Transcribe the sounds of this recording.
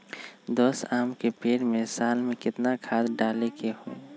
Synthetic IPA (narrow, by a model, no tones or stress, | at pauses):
d̪oːsaːmkepeːɽmẽsaːlmẽkɪt̪nakʰaːd̪ɖaːlekeɦoḛː